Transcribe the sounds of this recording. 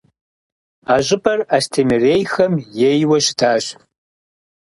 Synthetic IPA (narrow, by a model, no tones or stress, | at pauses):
aʒʷɪpʼɐrastʰemerejxɐmjejwɐʃdʰaːʃ